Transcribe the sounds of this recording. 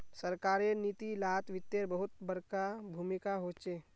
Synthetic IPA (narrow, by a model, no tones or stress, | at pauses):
səɾkaːɾeniːt̪ilaːt̪ʋɪt̪ːeɾbəɦʊt̪̚bəɾkabʱuːmɪkaɦoːt͡ʃe